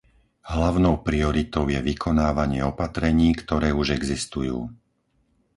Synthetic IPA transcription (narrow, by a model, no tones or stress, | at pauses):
ɦlaʊnɔʊpɾiɔɾit̪ɔʊjɛʋikʰɔnaːʋaɲɪɛɔpat̪ɾɛɲiːkt̪ɔɾɛːuʒɛɡzist̪ujṵː